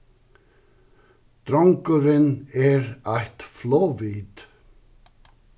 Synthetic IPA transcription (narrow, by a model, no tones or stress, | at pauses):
d̪̥ɾɔŋkəɾəneːɾæɪt̪floːʋiːd̪̥